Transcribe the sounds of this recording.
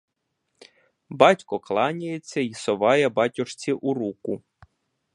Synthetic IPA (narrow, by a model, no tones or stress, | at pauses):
bɑtʲkɔklˠɑnʲɐjet͡sʲːɐisɔʋɑjɛbɑtʲɔʃt͡sʲiʔuɾukʊ